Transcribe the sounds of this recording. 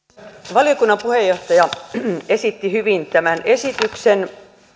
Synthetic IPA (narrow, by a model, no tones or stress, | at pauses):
ʋɑlijokunːɑpuhejoht̪ɑjɑesit̪ːihyʋint̪æmænesit̪yksen